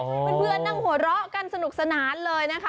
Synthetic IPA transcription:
pe˧npʰɯ˧ənːa˧˥˩ŋhu˩˦ɐ˦ɾɔ˦˥ʔka˧nsa˧nu˨˩k̚sa˧naː˩˦nlɤː˧jna˦˥kʰa˦˥

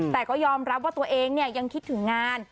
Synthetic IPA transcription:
t̪ɛː˨˩kɔː˥˩jɔː˧mɾa˦˥p̚waː˥˩t̪u˧ɐʔeː˧ŋni˥˩ɐja˧ŋkʰi˦˥t̪ʰːɯ˩˦ŋːaː˧n

